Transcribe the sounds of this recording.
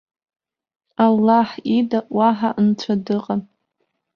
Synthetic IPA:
alːaħidaʔwaħaʔnt͡ʃʷʰadɨqʼan

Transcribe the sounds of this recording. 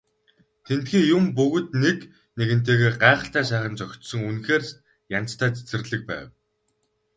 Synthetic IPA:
t̪ʰent̪xiːjʊmpɵɣɵ̆t̪nek | neɣɘ̆n̥t̪eːɣeːɢaːχə̆ɬt̪æːs̬æːχə̆nt͡sœxʲt̪sɞ̆ŋunxeːr | jan̥t͡st̪ʰæːt͡sʰe̥t͡sɘ̆rɮɘ̆k̚pæ̰ːw

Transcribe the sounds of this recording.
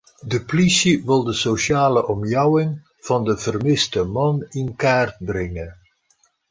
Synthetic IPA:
dəplisiʋɪlˠdəsosjaːləʔɔmjawɪŋ | v̥ɑndəvərmɪstəmɑnɪnkaːrd̚brɛŋən

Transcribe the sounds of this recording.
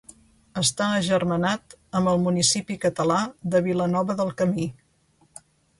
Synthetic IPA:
əst̪aəːʒərmənat̪əmbəlˠmunisipikət̪əlaðəβilənɔβəðəlˠkəmi

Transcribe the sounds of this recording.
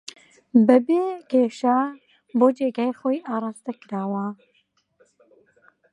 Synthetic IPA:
bɛbeːɡeːʃaː | boːd͡ʒeːɡaːjxoːjʔaːɾˤɑːst̪ɛkɨɾaːwa

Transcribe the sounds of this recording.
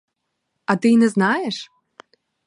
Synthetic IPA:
ɐt̪ɪinɛznɑjɛʂ

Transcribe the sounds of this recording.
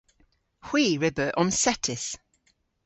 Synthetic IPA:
hw̥iːɹɪbəʔɔmsɛtʰɪs

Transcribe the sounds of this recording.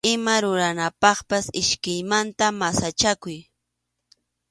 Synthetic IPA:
ɪmaɾʊɾanapɑχpasɪʃkɪjmant̪amasat͡ʃakʊj

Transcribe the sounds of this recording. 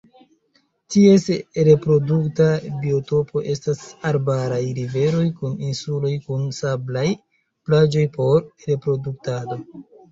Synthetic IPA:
tie̞sɾe̞pɾo̞duktabio̞to̞pʰo̞ʔe̞stasaɾbaɾajɾive̞ɾo̞jkuninsulo̞jkunsablaj | plad͡ʒo̞jpo̞ɾɾe̞pɾo̞duk̚tado̞

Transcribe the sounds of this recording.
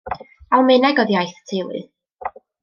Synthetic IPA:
alˠmɨnɛɡɔðjajθtʰejlˠɨ̰ð

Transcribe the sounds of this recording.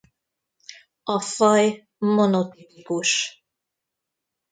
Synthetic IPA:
ɔfɔj | mɔnot̪ipikuʃ

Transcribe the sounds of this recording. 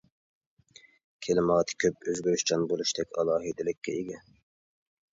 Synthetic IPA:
kʲʰelɪmɑːt̪ʰɨ̥kʲʰøpøzɡʲyɾyʃt͡ʃʰɑnbolˠuʃt̪ʰɛkʲɑ̰lˠɑːɦɨd̪ɪlɪkʲːɛiɡʲɛ

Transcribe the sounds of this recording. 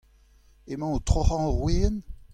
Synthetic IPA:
emɑ̃ot̪χoʁɑ̃ʁweːn

